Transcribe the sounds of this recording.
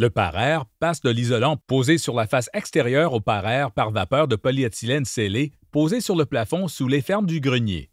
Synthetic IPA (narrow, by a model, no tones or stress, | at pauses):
ləpa̰ʁɛːʁpasd̪əlizɔlɑ̃poːzesyʁlafasɛkst̪eʁjœːʁopaʁɛːʁpaʁvapœːʁd̪əpɔliɛt̪silɛnsele | poːzesyʁləplafɔ̃sulefɛʁmd̪yɡʁənjḛ